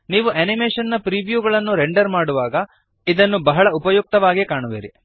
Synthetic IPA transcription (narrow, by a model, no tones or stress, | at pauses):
niːʋuʔɐnimeːʂɐnːɐpɾiːʋjuːɡɐɭɐnːuɾeɳɖɐɾmaːɽuʋaːɡɐ | id̪ɐnːubɐɦɐɭɐupɐjuk̚t̪ɐʋaːɡikaːɳuʋḭːɾḭ